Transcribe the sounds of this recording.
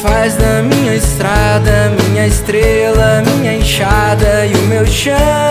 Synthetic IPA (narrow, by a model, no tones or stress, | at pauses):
fazd̪ɐmĩɲɐɪst̪ɾad̪ɐːmĩɲɐɪst̪ɾelɐːmĩɲɐẽʃad̪ɐɪʊmewʃɐ̃